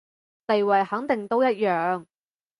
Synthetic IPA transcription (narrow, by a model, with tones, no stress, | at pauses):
t̪e˨jwɐ˨jhɐ˨˥ŋt̪ɪ˨ŋt̪o˥wjɐ˥t̚jœː˨ŋ